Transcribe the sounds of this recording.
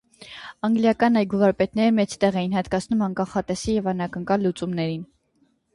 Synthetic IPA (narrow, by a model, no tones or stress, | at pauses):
ɑŋɡljɑkɑnɑjɡuvɑɾpɛt̪nɛɾəmɛt͡sʰt̪ɛʁɛjinhɑt̪kɑt͡sʰnumɑnkɑχɑt̪ɛsijɛvɑnɑkəŋkɑlːut͡sumnɛɾin